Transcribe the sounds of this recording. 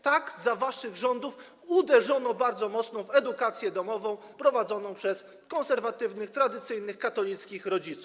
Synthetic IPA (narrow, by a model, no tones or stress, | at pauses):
t̪aɡzavaʂɘɣʐɔnd̪uf | ud̪ɛʐɔnɔbaɾd̪zɔmɔt̪snɔ̃vɛd̪ukat̪sʲjɛd̪ɔmɔvɔ̃w̃pɾɔvad̪zɔnɔ̃w̃pʂɛs | kɔñsɛɾvat̪ɘvnɘxt̪ɾad̪ɘt̪sɘjnɘxkat̪ɔlʲit̪skʲixɾɔd͡ʑit̪su̥f